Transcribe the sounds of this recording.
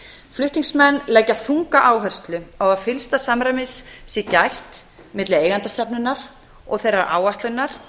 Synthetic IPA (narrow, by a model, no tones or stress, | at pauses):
flʏht̪iŋsmɛnːlɛjcːaθuŋkaʔaːwɦɛr̥st̪lʏawaðfɪlst̪asamɾamɪsːɛcajht̪ | mɪt̪lɪeːjɣant̪ast̪ɛpnʏnːaɾ̥ | ɔ̰ɣθejɾːaɾʔa̰ːwaht̪lʏnːaɾ̥